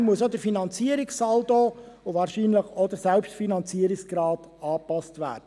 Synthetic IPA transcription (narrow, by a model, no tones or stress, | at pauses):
muəsod̪əɾfinɑnt͡siəɾɪksɑldoː | ʊʋɑːɾʃiːnləχɔd̥̪əɾsɛlpʃtfinɑnt͡siəɾɪksɡ̥ɾɑːt | ɑːpɑstʋæ̰ːd̥ə